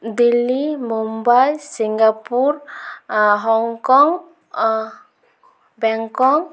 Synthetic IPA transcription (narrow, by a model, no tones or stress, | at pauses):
d̪ilːimumbajsiŋɡapuɾ | ɦɔŋkɔŋ | bɛŋkɔŋ